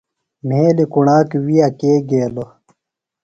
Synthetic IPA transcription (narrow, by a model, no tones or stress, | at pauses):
m̤eːlikuɳaːkiwijakeːɡeːlo